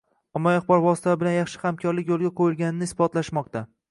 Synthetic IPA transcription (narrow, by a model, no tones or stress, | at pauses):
ɒmːɒjɑχbɒɾvɒsɪ̥t̪ʰaɪbɪlanjɑχʃɪ̥hamkʲʰɒɾlɪkʲjolˠɡʲaqʰojɪlɡʲanɪnɪɪsbɒt̪laʃmɒqt̪a